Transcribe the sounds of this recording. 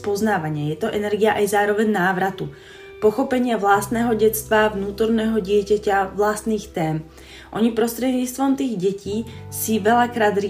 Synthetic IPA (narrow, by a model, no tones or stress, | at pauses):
pɔznaːʋaɲɪajɛt̪ɔʔɛnɛɾɡiaʔajzaːɾɔʋɛɲnaːʋɾat̪u | pɔxɔpɛɲɪaʋlast̪nɛːɦɔɟɛst̪ʋavnuːt̪ɔɾnɛːɦɔɟɪɛcacaʋlast̪niːxt̪ɛːm | ʔɔɲipɾɔst̪ɾɛd̪ɲit͡st̪ʋɔmt̪iːɣɟɛciːsiʋɛlakɾaːd̪ɾi